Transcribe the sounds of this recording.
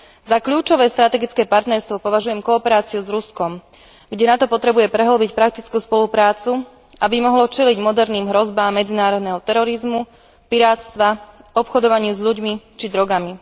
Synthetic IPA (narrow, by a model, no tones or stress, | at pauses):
zakʎuːt͡ʃɔʋɛːst̪ɾat̪ɛɡit͡skɛːpaɾt̪nɛɾst̪ʋɔpɔʋaʒujɛmkɔːpɛɾaːt͡siuzɾuskɔm | ɡɟɛnat̪ɔpɔt̪ɾɛbujɛpɾɛɦl̩bicpɾak̚t̪it͡skuːspɔlupɾaːt͡su | ʔabimɔɦlɔt͡ʃɛliɟmɔd̪ɛɾniːmɦɾɔzbaːmːɛd͡zinaːɾɔd̪nɛɦɔt̪ɛɾɔɾizmu | piɾaːt̪st̪ʋaɔpxɔd̪ɔʋaɲɪuzʎuɟmit͡ʃid̪ɾɔɡami